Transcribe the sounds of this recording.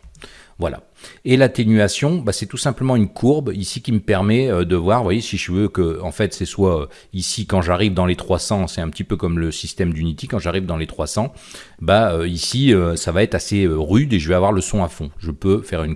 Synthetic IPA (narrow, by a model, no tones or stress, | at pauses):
vwala̰ | elat̪enyasjɔ̃basɛt̪usɛ̃pləmɑ̃ynkʰuʁbisikʲiməpɛʁmɛød̪əvwaʁvwajesiʒəvøkəɑ̃fɛt̪sɛswaø | isikɑ̃ʒaʁivd̪ɑ̃let̪χwasɑ̃sɛɛ̃pət̪ipøkɔmləsist̪ɛmd̪ynit̪ikɑ̃ʒaʁivd̪ɑ̃let̪χwasɑ̃ | baøisiøsavaɛt̪χaseøʁyd̪eʒəvɛavwaʁləsɔ̃afɔ̃ʒəpøfɛʁyn